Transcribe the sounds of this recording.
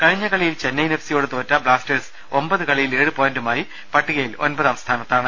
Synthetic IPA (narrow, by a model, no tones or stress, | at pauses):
kɐɻiɲːɐkɐɭijilt͡ɕenːɐjnefsijo̞ːɽet̪o̞ːtːɐbɭaːsters | ombɐðɨkɐɭijile̞ːɻɨpoːjndumaːji | pɐʈːiɣɐjilo̞̰nbɐðɐʋɐst̪ʰaːnɐt̪ːaːɳɨ